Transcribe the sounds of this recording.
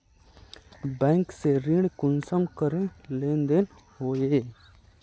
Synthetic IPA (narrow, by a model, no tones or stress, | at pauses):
bɛ̃ːŋkseɾĩɽkʊnsəmkəɾẽlẽːnd̪en | hoːje